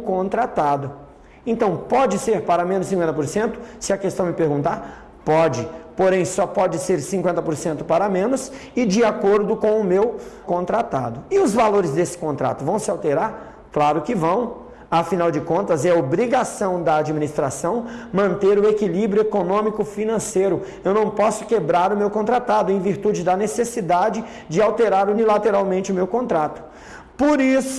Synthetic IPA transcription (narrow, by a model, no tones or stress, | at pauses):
kõnt̪ɾat̪ad̪ʊ | ẽnt̪ɐ̃w̃pɔd͡ʒɪseɾpaɾɐmẽnʊsĩkwẽnt̪ɐpoɾsẽnt̪ʊ̥sɪɐkest̪ɐ̃w̃mɪpeɾɡũnt̪aɾ | pɔd͡ʒɪpoɾẽj̃sɔpɔd͡ʒɪseɾsĩŋkwẽnt̪ɐpoɾsẽnt̪ʊpaɾɐmẽnʊsɪd͡ʒɪakoɾd̪ʊkõw̃ʊmewkõnt̪ɾat̪a̰d̪ʊɪʊzvaloɾɪzd̪esɪ̥kõnt̪ɾa̰t̪ʊvɐ̃w̃sɪawt̪eɾaɾ | klaɾʊkɪvɐ̃w̃ | ɐfinawd͡ʒɪkõnt̪ɐzɛɐobɾiɡasɐ̃w̃d̪ɐad͡ʒiminist̪ɾasɐ̃w̃mɐ̃nt̪eɾʊekilibɾjʊekonõmikʊfinɐ̃sejɾʊ | ewnɐ̃w̃pɔsʊ̥kebɾaɾʊmewkõnt̪ɾat̪ad̪ʊẽj̃viɾt̪ud͡ʒɪd̪ɐnesesid̪ad͡ʒɪ | d͡ʒɪawt̪eɾaɾunilat̪eɾawmẽnt͡ʃɪʊmewkõnt̪ɾat̪ʊ̥ | poɾisʊ̥